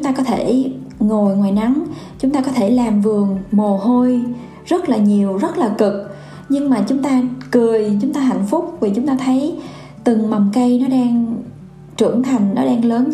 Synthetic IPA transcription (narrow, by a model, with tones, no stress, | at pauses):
t͡ɕʊ˦ŋ͡mt̪aː˧kɔ˨˦t̪ʰe˧˩ | ŋo˨˩jŋwaː˨˩jna˨˦ŋ | t͡ɕʊ˨˦ŋ͡mt̪aː˧kɔ˨˦t̪ʰe˧˩laː˨˩mvɨ˨˩əŋmo˨˩ɦo˧j | zə˦˥t̚laː˨˩ɲi˨˩əwzə˦˥t̚laː˨˩kɨ˨˩k̚ | ɲɨ˧ŋmaː˨˩t͡ɕʊ˨˦ŋ͡mt̪aː˧kɨ˨˩əjt͡ɕʊ˨˦ŋ͡mt̪aː˧ɦa̰˧˨jŋ̟fʊ˦˥k͡p̚vi˨˩t͡ɕʊ˨˦ŋ͡mt̪aː˧t̪ʰə˨˦j | t̪ɨ˨˩ŋma˨˩wŋ͡mkə˧jnɔ˨˦ɗaː˧ŋ | t͡ɕɨ˧˩əŋt̪ʰa˨˩jŋ̟nɔ˨˦ɗaː˧ŋləː˨˦n